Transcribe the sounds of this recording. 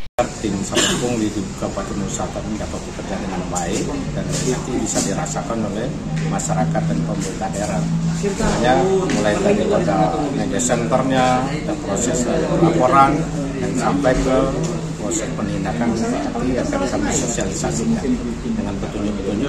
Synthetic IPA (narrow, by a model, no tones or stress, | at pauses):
art̪imsaabʊŋdidub̚kapat̪unusat̪anidapat̪̚bəkərd͡ʒadəŋanbaɪkdanit̪ibisadiɾasakanolɛh | maʃaɾakat̪̚danpəmbud̪aʔeɾanamaɲamulajt̪adiadamad͡ʒasɛnt̪ɔrɲa | dapɾosɛsulaŋoɾaŋ | jaŋsampajkə | pɾosɛspəninakan | iiakankandisosialisasiɲai | dəŋanbət̪uɲd͡ʒupət̪uɲd͡ʒu